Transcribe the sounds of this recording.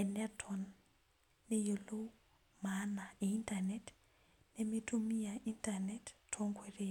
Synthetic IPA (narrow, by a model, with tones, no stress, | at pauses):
ɛ˨nɛtʰɔnː | e˦jo˨lo˦ | mana˨e˨i˦ntanɛ˨t | ne˦mi˦tu˦mi˦jaʔi˦ntanɛttʰo˦ŋɡwe˨re